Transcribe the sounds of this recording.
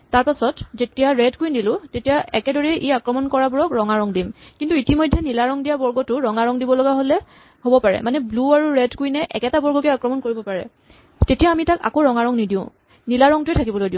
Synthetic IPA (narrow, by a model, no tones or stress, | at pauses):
taɹpasɔtzetijaɹɛdkuindilʊ̃tetijaʔɛkɛdɔɹɛʔiakɹɔmɔnkɔɹabuɹɔkɹɔŋaɹɔŋdimkintuitimɔjdʱːɛnilaɹɔŋdijabɔɹɡɔtʊɹɔŋaɹɔŋdibɔlɔɡaɦolɛ | hobɔpaɹɛ̰manɛbluaɹuɹɛdkuinɛʔɛ̰kɛtabɔɹɡɔkɛakɹɔmɔnkoɹibɔpaɹɛ̰ | tetijaːmitaka̰koɹɔŋaɹɔŋnidiʊ̃ | nilaɹɔŋtʊetʰakibɔlojdiʊ̃